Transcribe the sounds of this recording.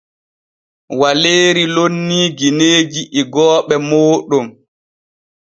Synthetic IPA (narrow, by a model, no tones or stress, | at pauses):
waleːɾilonːiːɡineːd͡ʒiʔiɡɔːɓɛmoːɗɔm